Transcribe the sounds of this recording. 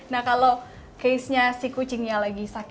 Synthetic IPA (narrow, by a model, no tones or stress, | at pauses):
nakalo | kejsɲasiku̥d͡ʒəŋjalaɡisak